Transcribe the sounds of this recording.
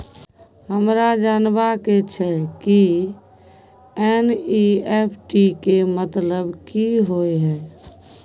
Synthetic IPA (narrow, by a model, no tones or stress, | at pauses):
ɦəmɾad͡ʒaːnbaket͡ʃʰɛki | ɛniɛpʰʈikemət̪ləbkiɦoeɦɛː